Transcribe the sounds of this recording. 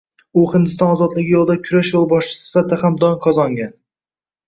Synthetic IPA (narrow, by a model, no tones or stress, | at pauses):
ʊhɪnd̪ɪst̪ɒnɒzɒt̪lɪɡʲjolˠd̪akʲʰʊɾaʃjolˠbɒʃt͡ʃɪ̥sɪ̥fat̪ʰːahamd̪ɒŋqʰɒzɒŋɡʲan